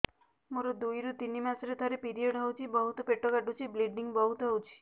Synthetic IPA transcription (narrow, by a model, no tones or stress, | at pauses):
moɾod̪ujɾut̪inimasɔɾet̪ʰaɾepiɾioɽɦɔwt͡ʃʰibɔɦut̪ɔpeʈɔkaɖut͡ʃʰibliɖniŋbɔɦut̪ɔɦɔwt͡ʃʰi̥